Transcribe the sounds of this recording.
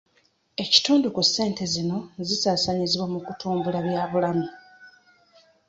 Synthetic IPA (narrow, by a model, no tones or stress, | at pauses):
e̞ci̥tuːndukusːe̞ːnte̞zino̞zisaːsaɲiziβwamukutʰuːmbulaβjaːβulami